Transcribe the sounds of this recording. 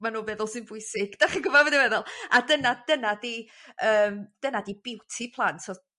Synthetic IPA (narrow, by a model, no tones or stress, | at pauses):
manuːbɛðʊlˠsɨnbʊɨsɪɡ̥d̥aχiɡəvɔvədivɛðʊlˠadənad̥ənadiəːmd̥ənadibɪwtʰipʰlˠantʰɔ